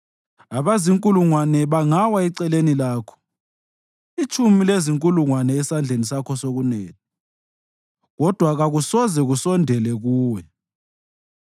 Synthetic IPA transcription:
aβaziŋkʼuluŋwanɛβaŋawaɛǀɛlenilaːkʰɔ̥ | it͡ʃʰʼumileziŋkʼuluŋwanɛːsand͡ɮʱenisakʰɔsoɣunɛːtʰa | ɣɔd̥ʱwaɣaɣusɔzɛɣusɔndʱɛlɛɣuːwɛ

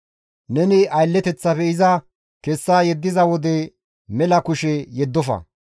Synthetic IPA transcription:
nɛnɪɐjlːɛt̪ɛt͡sːɐpɛɪzɐ | kɛsːajɛd̪ːɪzɐwɔd̪ɛ | mɛlɐkʊʃɛjɛd̪ːɔfɐ̰

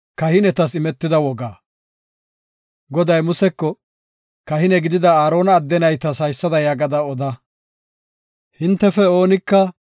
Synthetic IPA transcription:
kɐhɪnɛt̪ɐsɪmɛt̪ːɪd̪ɐwɔɡaː | ɡɔd̪ɐjmʊsɛkːɔ | kɐɦɪnɛɡɪd̪ɪd̪ɐaːɾo̞ːnɐːd̪ːɛnɐjt̪ɐsɐjsːɐd̪ɐjaːɡɐd̪ɐɔd̪ɐ | hɪnt̪ːɛfɛoːnɪkːɐ

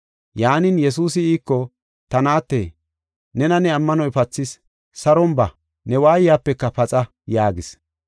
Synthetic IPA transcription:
jaːnɪnjɛs̬uːsɪiːkːɔ | t̪ɐnaːt̪ːḛː | nɛnɐnɛɐmːɐnɔjpɐt͡sːɪs | sɐɾɔmbɐ | nɛwaːjɪjaːpːɛkːɐpɐt͡sʼɐ | jaːɡɪs

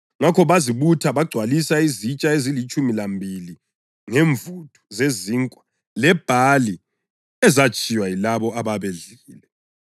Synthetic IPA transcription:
ŋakʰɔβaziβutʰaβaɡ͡ǀʱwalisaizit͡ʃʼaezilit͡ʃʼumilambʱili | ŋeɱvutʰʼu̥zeziŋkʼwa | lɛb̥ʱali | ɛzat͡ʃʰʼijwajilaβɔaβaβeɮiːlɛ

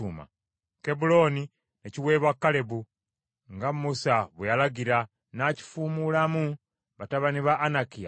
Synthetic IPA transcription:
uːma̰ | kebulo̞ːni | neciwe̞ːβakːale̞βu | ŋɡamusaβwejalaɡiɾa | naci̥fuːmulamu | βataβaniβaʔːnakija

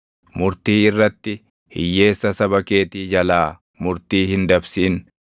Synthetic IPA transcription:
mʊɾt̪iːɪrːɐt̪ːɪ | hɪ̰jːe̞ːsːɐsɐbɐke̞ːt̪iːd͡ʒɐlaː | mʊɾt̪iːhɪnd̪ɐbsiːn

